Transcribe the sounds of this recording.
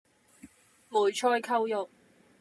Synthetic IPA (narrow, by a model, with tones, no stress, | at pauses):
muː˨˩jt͡ʃʰɔː˥jkʰɐ˥wjʊ˨k̚